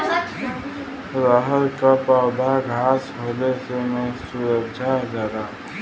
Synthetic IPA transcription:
ɾəɦəɾkapawb̪ʱaɡʱaːsɦolesemẽsuɾəɡd͡ʒad͡ʒaɾa

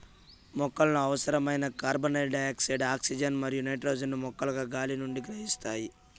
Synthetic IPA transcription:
mɔkːɐlɐnuɐʋɐsɐɾɐmɐjnɐkaːɾbɐnɐɖɐjaːksiɖaːksid͡ʒɐnmɐɾijunɐjʈɾɐwd͡ʒɐnːumɔkːɐlɐɡaːɡaːlinuɳɖiɡɾɐɦist̪aːji

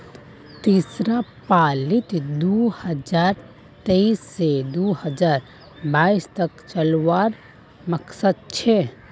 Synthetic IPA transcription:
t̪isɾapaːlit̪d̪uhəd͡ʒaːɾ | t̪eisːed̪uhəd͡ʒaːɾ | baːist̪əkt͡ʃəlwaɾ | məksəd̪̚t͡ʃʰɛ

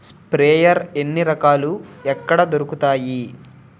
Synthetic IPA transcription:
spɾeːjɐɾenːiɾɐkaːluɛkːɐɽɐd̪o̞ɾukut̪aːji

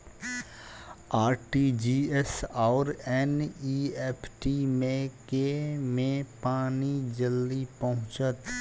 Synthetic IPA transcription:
aːɾʈid͡ʒiːɛsɔːɾɛniɛːpʰʈimẽkemẽpaːnid͡ʒəlːipəɦʊ̃t͡ʃət̪

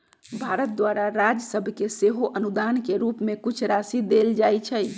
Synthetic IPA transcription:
bʱaɾət̪̚d̪waɾaɾad͡ʒsəbʱkeseɦoʔənud̪ankeɾupmekut͡ʃʰɾasid̪eld͡ʒajt͡ʃʰɛj

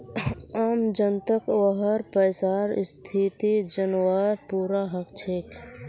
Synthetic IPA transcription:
aːmd͡ʒənt̪əkwəɦəɾpəːsaːɾst̪ʰit̪id͡ʒənwaːɾpuːɾaɦəkt͡ʃʰeːk

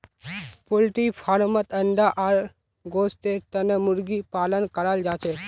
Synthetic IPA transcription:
polʈifʰaɾmət̪əɳɖaʔaɾ | ɡost̪et̪ənəmuɾɡipalənkəɾald͡ʒat͡ʃe

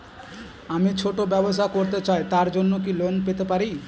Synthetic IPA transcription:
amit͡ɕʰoʈobɛboʃakoɾt̪et͡ɕaet̪aɾd͡ʑonːokilonpet̪epaɾi

